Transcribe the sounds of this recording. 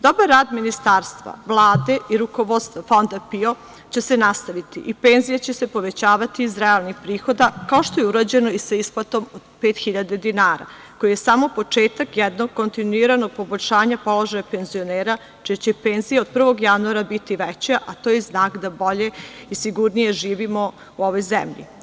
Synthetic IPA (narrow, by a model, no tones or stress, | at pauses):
d̪o̞baɾːaːd̪minist̪aːɾst̪ʋa̰ʋlˠaːd̪e̞ʔiɾuko̞ʋo̞d̪st̪ʋafo̞nd̪apio̞ | t͡ɕe̞se̞nast̪aʋit̪ḭʔipe̞nzijat͡ɕese̞po̞ʋe̞t͡ɕaːʋat̪iːzɾealnixpɾiːxo̞d̪akao̞ʃt̪ojeuɾad͡ʑe̞no̞isaisplˠat̪o̞mod̪peːt̪xiʎad̪ed̪inaːɾa̰ | ko̞jijesamopo̞t͡ʂeːt̪akjɛd̪no̞ɡ̚kːo̞nt̪inuiɾano̞ɡ̚po̞boʎʲʃaːɲapo̞lo̞ʒajape̞nzio̞neːɾa | t͡ʃiat͡ɕepeːnzijao̞d̪̚pr̩ʋo̞ɡjanuaɾabit̪iʋɛt͡ɕaʔat̪oːjeznaːkd̪abo̞ʎeisiɡuɾnije̞ʒiːʋimo̞ | uo̞ʋojzḛmʎḭ